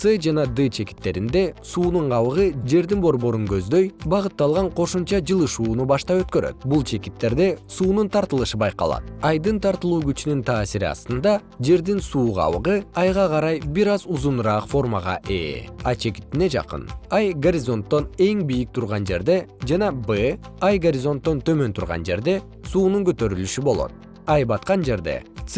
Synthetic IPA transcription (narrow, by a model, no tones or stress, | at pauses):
sɨd͡ʒɑnɑd̪ɨt͡ʃʰe̞ki̥t̪ːe̞ɾind̪e̞suːnuɴʁɑβɯʁɯd͡ʒe̞ɾd̪inbo̞ɾbo̞ɾuŋɡø̞zd̪øjbɑʁɯt̪ːɑlˠʁɑɴqʰo̞ʃumt͡ʃɑd͡ʒɯlˠɯʃuːnubɑʃt̪ɑpø̞t̪kø̞ɾø̰t̪̚bulˠt͡ʃʰe̞kit̪ːe̞ɾd̪e̞suːnunt̪ʰɑɾt̪ɯlˠɯʃɯbɑjqɑ̰lˠɑ̰t̪̚ɑjd̪ɯnt̪ʰɑɾt̪ɯlˠuːɡyt͡ʃynynt̪ʰaːsiɾiɑ̰st̪ɯnd̪ɑ | d͡ʒe̞ɾd̪insuːʁɑ̰βɯʁɯɑjʁɑʁɑɾɑjbiɾɑzuzunɾɑːqfo̞rmɑʁɑ̰ʔḛɑjt͡ʃʰe̞ki̥t̪ːine̞d͡ʒɑ̰qɯ̰nɑjɡɐɾʲɪzo̞nt̪ːo̞ne̞ŋbijik̚t̪ʰuɾʁɑnd͡ʒe̞̰ɾd̪e̞d͡ʒɑnɑbɨ | ɑjɡɐɾʲizo̞nt̪ːo̞nt̪ʰø̞mø̞nt̪ʰuɾʁɑ̰nd͡ʒe̞̰ɾd̪e̞ | suːnuŋkøt̪ø̞ɾylyʃybo̞lˠo̞̰t̪̚ | ɑjbɑt̪̚qɑnd͡ʒe̞ɾd̪e̞̰t̪s